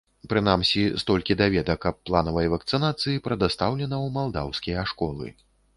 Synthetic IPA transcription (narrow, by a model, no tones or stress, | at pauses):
pɾɨnamsʲist̪ɔlʲkʲid̪avʲɛd̪ɐkɐpːlˠanɐvɐjɐvɐkt̪sɨnat̪sɨjipɾɐd̪ast̪awlʲɛnɐwmalˠd̪awsʲkʲijɐʂkɔlˠɨ̰